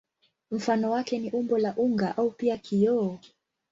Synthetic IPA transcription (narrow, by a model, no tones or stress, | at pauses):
m̩fanɔwakɛniʔumbɔlaʔuŋɡaʔaupiakʰijɔː